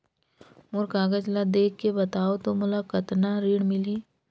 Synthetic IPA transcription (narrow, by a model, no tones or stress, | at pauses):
mʊɾkaːɡəd͡ʒlad̪eːkːebɐt̪aːot̪omʊlakɐt̪naɾiːɽmɪliː